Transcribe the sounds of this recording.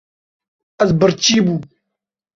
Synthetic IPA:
ɐzbəɾt͡ɕiːbu

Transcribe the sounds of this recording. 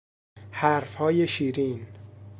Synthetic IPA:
hæɾfhɒːjeʃiːɾin

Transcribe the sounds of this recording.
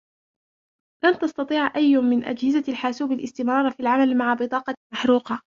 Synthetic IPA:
lant̪ɑst̪ɑt̪ˤiːʕʔajːʊmɪnʔa̰d͡ʒhɪzalħaːsuːbalʔɪst̪ɪmɾˤɑːɾˤfiːlʕamalmaʕabɨt̪ˤɑːqɑmaħɾuːqɑ

